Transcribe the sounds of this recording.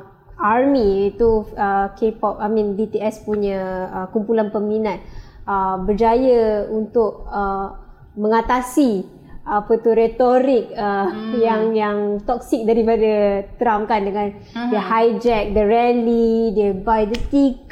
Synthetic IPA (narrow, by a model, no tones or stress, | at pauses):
armiːt̪uəkepɔp̚amĩndit̪eɛspuɲəəkumpulanpəminat̪̚əbərd͡ʒajəunt̪ʊk̚ə | mə̃ŋat̪asi | apət̪uɾet̪oɾɪk̚əjaŋjaŋt̪ɔk̚sɪk̚daɾipadət̪ɾamkandəŋãn | dəhajd͡ʒɛk̚dərɛnlidiəbajdət̪ik